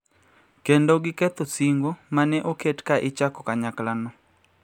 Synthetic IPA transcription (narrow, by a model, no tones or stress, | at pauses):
kendoɡɪkɛt̪osiŋɡomanɛʔoketkaʔɪt͡ʃakɔkaɲaklanɔ